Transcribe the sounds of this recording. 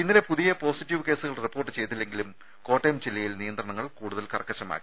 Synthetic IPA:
inːiɾepuðijɐpo̞ːsitːiʋɨke̞ːsuɣɐɭripːo̞ːrʈːɨt͡ɕe̞jt̪ːilːe̞ŋɡilum | ko̞ːʈːemt͡ɕilːɐjilnijɐnd̪ɾrɐɳɐŋːɐɭkuːɽuðɐlkɐrɐkːɐɕɐma̰ːkːi̥

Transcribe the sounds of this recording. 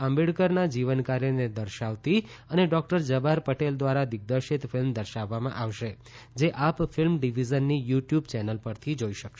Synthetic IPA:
əmbiɽkəɾnad͡ʒiʋənkaɾjəned̪əɾʃaʋt̪iəneɖɔk̚ʈəɾd͡ʒəbʱaɾpəʈeld̪ʋaɾad̪ɪɡ̚d̪əʃɪt̪fʰɪlmd̪əɾʃaʋːamã̰ʔaʋʃe | d͡ʒeʔapfʰɪlmɖiʋizənːijuʈjubt͡ʃɛnəlpəɾt̪ʰid͡ʒoiʃəkʃe

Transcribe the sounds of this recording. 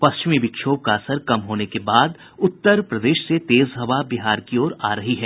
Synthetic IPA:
pɐst͡ʃɪmibɪkʃʰoːb̚kaɐsəɾkɐmɦoːnekebaːd̪ | ʊt̪ːəɾpɾɐd̪eːʃset̪eːzɦɐʋabiɦaːɾkiɔːɾaːɾɐɦiɦɛː

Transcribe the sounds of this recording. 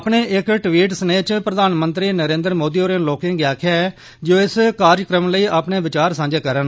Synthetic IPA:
pɳeːʔɪkʈʋiːʈ̬səneːt͡ʃpɾəd̪aːnmənt̪ɾiːnəɾẽːnd̪ɾmoːd̪iːoːɾẽːnloːkẽːŋɡjaːkʰa | d͡ʒoːɪskaːɾjkɾəmləiːʔaːpɳeːʋɪt͡ʃaːɾsãːɲd͡ʒeːkəɾən

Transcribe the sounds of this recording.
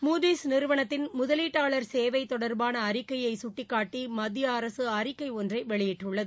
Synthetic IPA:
muːd̪iːsnɪɾɯʋɐɳɐt̪ːɪnmʊðɐliːʈːaːɭɐɾseːʋɐɪt̪ːɔɽɐɾbaːnɐːɾɪkːɐjɐɪsʊʈːɪkːaːʈːimɐd̪ːɪjɐːɾɐsɯɐɾɪkːɐɪɔndrɐɪʋɛɭɪjɪʈːɯɭːɐðɯ

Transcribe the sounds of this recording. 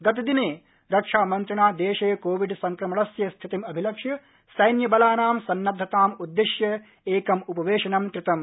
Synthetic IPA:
ɡɐt̪̬ɐd̪ineː | ɾɐkʂaːmɐnt̪ɾɐɳaːd̪eːʃeːɐkoːʋiɖsɐŋkɾɐmɐɭɐsjɐst̪ʰit̪imɐbʱilɐkʂjɐ | sɐjnjɐbɐlaːnaːmsɐnːɐd̪ʱːɐt̪aːmud̪ːiʃjɐ | eːkɐmupɐʋeːʂɐnɐmkɾɪt̪ɐm

